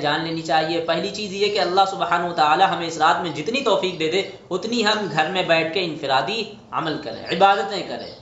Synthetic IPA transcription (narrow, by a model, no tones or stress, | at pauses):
d͡ʒaːnleːnit͡ʃaːɦiepɛɦlit͡ʃiːzjɛkeɐlːaɦsʊbhaːnʊʋət̪aaːlaɦɐmẽɪsɾaːt̪mẽd͡ʒɪt̪nit̪ɔːfiːk̚d̪eːd̪e | ʊt̪niɦɐmɡʱɐɾmẽbɛːʈ̚ʰkeɪ̃nfɪɾaːd̪i | ɐ̰məlkɐɾḛ̃ːʕɪbaːd̪ət̪ẽkɐɾḛ̃ː